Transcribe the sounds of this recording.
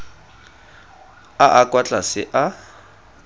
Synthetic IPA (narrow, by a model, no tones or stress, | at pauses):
aʔakʼwat͡ɬʼasɪʔa